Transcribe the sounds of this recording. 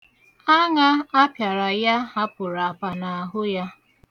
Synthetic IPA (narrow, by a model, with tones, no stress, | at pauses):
a˦ŋa˦a˦pja˨ɾa˨ja˦ɦa˦pʊ˨ɾa˨pa˨na˨ɦʊ˦ja˦